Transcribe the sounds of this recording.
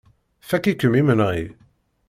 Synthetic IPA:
fækikəmimənaj

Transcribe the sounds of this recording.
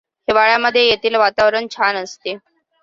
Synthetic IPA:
heʋaɭjaməd̪ʱːjejet̪ʰiːlʋat̪aʋɾəɳt͡ɕʰanəst̪e

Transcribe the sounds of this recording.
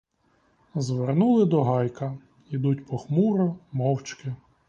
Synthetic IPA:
zʋernulˠɪd̪ɔɦɑjkɐ | id̪utʲpɔxmuɾʊmɔwt͡ʃkɪ

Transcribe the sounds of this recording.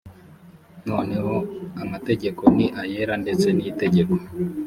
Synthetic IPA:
nɔnehɔamateɟekɔniʔajeɾandet͡seniːteɟekɔ̥

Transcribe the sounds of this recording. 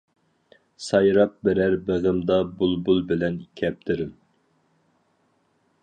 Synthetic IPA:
sɑjɾɑp̚bɛɾæɾbæʁɪmd̪ɑbulˠbulˠbɪlɛnikʲʰɛp̚t̪ʰɪɾɪm

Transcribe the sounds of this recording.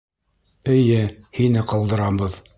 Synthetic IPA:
ɘ̆jɘhinɘqɑlˠd̪ɤ̆ɾɑbɤð

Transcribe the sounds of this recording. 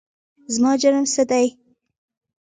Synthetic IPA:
zmɑd͡ʒaɾəmsəd̪aj

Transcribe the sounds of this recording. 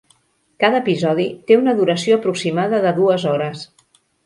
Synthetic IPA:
kaðəːpizɔðit̪eunəðuɾəsioəpɾuksimaðəðəðuəzɔɾəs

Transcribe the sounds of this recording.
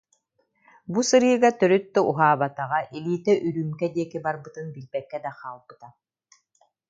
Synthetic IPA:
busɯɾɯːɡat̪œɾyt̪̚d̪ɔuɦaːβat̪aʁaʔiliːt̪ɛʔyɾyːmkɛd̪iɛkibaɾbɯt̪ɯnbilbɛkːɛd̪aχaːlˠbɯt̪a

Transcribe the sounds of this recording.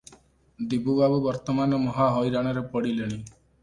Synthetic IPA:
d̪ibubabubɔɾt̪ɔmanɔmɔɦaɦɔjɾaɽ̃ɔɾepɔɽileɽ̃i

